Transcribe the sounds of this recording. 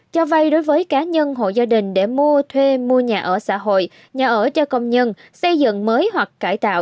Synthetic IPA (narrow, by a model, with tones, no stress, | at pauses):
t͡ɕɔ˧va˧jɗo˨˦jvəː˨˦jkaː˨˦ɲə˧nɦo̰˧˨zaː˧ɗï˨˩ŋ̟ɗe˧˩mu˧ət̪ʰwe˧mu˧əɲaː˨˩ʔəː˧˩sa̰ː˧˥ɦo̰˧˨j | ɲaː˨˩ʔəː˧˩t͡ɕɔ˧kə˧wŋ͡mɲə˧n | sə˧jzɨ̰˧˨ŋməː˨˦jɦwa˨˩k̚ːaː˧˩jt̪a̰ː˧˨w